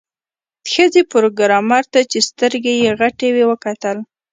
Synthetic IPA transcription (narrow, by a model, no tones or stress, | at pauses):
d̪̥xəzepʊɾoɡɾɑmɑɾt̪at͡ʃest̪əɾɡejeɣaʈewewəkat̪əl